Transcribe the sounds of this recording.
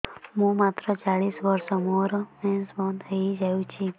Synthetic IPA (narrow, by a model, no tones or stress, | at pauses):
ɦũmat̪ɾɔt͡ʃaɭisʋəɾsɔmoɾɔmɛ̃nsbɔnd̪ɦəid͡ʒajũt͡ʃʰi